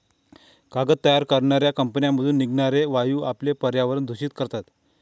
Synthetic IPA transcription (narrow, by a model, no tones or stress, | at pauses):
kaɡət̪ːəjaɾkəɾɳaɾjakəmpənijaməd̪ʱuːnːiɡɳaɾeʋajuːaplepəɾjaʋəɾənd̪ʱuɕiːt̪kəɾt̪at̪